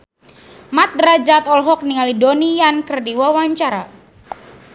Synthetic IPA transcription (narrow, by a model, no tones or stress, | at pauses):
mat̪̚ɾad͡ʒat̪ɔlɦɔk̚niŋalidonijankərdiwawaɲt͡ʃaɾa